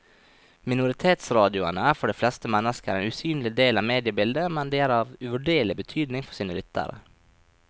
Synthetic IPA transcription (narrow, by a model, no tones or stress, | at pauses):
mɪnʊɾɪt̪ʰeːt̪sɾɑːd̪ɪʊanəæɾfɔɖɛːflɛst̪əmɛnːəskəæɾeːnʉːsyːnlɪɡd̪eːlɑʋmeːd̪ɪəbɪld̪əmɛnd̪ɛæːɾɑːʋʉʋʉɖeːɭɪbət̪ʰyːd̪nɪŋfɔʂiːnəlʏt̪ːa̰ɾə̰